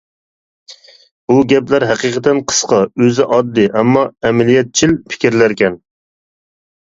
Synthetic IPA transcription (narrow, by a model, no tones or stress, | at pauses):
b̥uɡʲɛplæɾɦæqiqʰət̪ɛnqʰə̥sqɑøzɪʔɑd̪ːɨʔɛmːɑɛmælijɛt̪̚t͡ʃʰilpʰɪ̥kʲiɾlæɾkʲʰɛn